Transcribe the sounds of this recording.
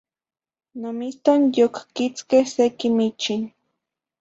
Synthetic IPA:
namist̪aŋjokkɪt͡skesekɪmɪt͡ʃɪŋ

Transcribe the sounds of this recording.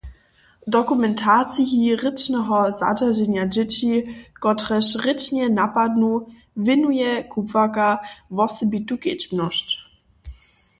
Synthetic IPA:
dɔkumɛntʰat͡siɦiʁɪt͡ʃnɛɦɔza̰daʒɛnjad͡ʒɪt͡ɕikɔtʁɛʃʁɪt͡ʃɲɛnapadnu | vɪnujɛkʰupvakavɔsɛbituket͡ɕmnɔʃt

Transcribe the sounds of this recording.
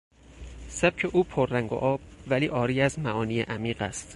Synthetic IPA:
sæb̥̚cʰeʔuːpʰorːæŋɡo̰ʔɒːb̥̚væliːʔɒːɾiːæzmæʔɒːniːjḛʔæmiːɢæ̰st̪

